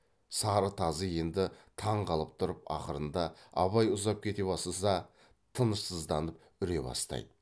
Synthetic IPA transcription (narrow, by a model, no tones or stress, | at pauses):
sɑɾət̪ʰɑzəje̞nd̪ɪt̪ʰɑɴqɑlˠəp̚t̪ʰʊɾəpɑ̰qəɾənd̪ɑɑ̰βɑjʊzɑp̚kʲʰe̞t̪e̞bɑsəsɑ | t̪ʰənəʃsəzd̪ɑnəp | ʏɾe̞bɑ̰st̪ɑ̰jd̪ə